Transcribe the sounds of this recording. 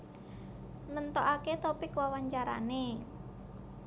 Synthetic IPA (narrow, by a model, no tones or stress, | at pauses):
nənt̪ɔʔaket̪opikwawaɲt͡ʃaɾa̰ne